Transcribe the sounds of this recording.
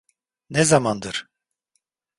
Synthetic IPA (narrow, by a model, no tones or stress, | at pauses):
nɛzamand̪ɯɾ̥